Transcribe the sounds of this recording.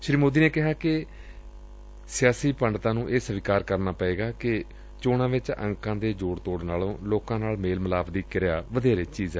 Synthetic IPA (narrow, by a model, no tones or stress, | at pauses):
ʃɾiːmoːd̪iːneːkɪɦaːkɪ | sɪjaːsiːpəɳɖt̪ãːnũːʔeːsəʋɪkaːɾkəɾnaːpeːɡaːkɪ | t͡ʃoːɽãːʋɪt͡ʃə̰̃ŋkãːd̪eːd͡ʒoːɽt̪oːɽnaːlõːloːkãːnaːlmeːlməlaːbd̪iːkɪɾɪjaːʋəd̪eːɾeːt͡ʃiːzɛː